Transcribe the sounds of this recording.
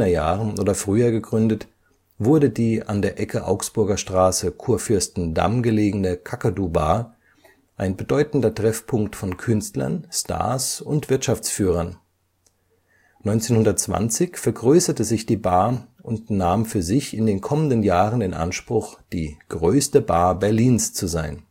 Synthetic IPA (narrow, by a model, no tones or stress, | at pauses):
ɐjaːʁənʔoːdɐfʁ̥yːɐɡəɡʁʏndət | vʊɐdədiːʔandeːɐʔɛkʰəʔa̰ʊksb̥ʊɐɡɐʃtʁ̥aːsəkʰuːɐfʏɐstn̩da̰mɡəleːɡənəkʰakadubaː | ʔaɪnbədɔʏtn̩dɐtʁ̥ɛfpʰʊŋktfɔnkʰʏnstlɐ̰nstʰa̰ɐsʊntv̥ɪɐtʃaft͡sfyːʁ̞ɐn | nɔʏnt͡seːnhʊndɐtt͡sv̥a̰nt͡sɪçfɛɐɡʁøːsɐtəzɪçd̥iːbaːʔʊntnaːmfyːɐzɪçɪndeːnkʰɔməndənjaːʁənɪnʔa̰nʃpʁ̥ʊxd̥iːɡ̥ʁøːstəbaːbɛɐliːnst͡suzaɪn